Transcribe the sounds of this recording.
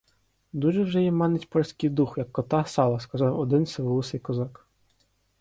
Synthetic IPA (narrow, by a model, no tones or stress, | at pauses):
d̪uʒɛwʒɛjɛmɑnetʲpɔlʲsʲkɪjd̪uxjɐkːɔt̪ɑsɑlˠɐskɐzɑwɔd̪ɪnsʲeʋɔlˠusɪjkɔzɑk